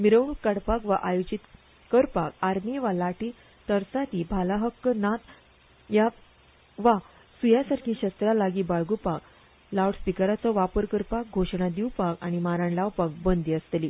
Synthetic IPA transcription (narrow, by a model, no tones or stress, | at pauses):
miɾəwɳukːəɽpakʋaʔajod͡ʑit̪ | kəɾpakaɾmiʋalaʈi | t̪əɾsat̪iːbʱalaɦəkːnat̪ | ja | ʋa | sujasaɾkʰiːɕəst̪ɾalaɡiːbaɭɡupak | lawɽspikəɾat͡sɔʋapəɾkəɾpak̚ɡʱoʂɳad̪iwpaka̰ɽ̃imaɾaɳlawpak̚bənd̪iəst̪liː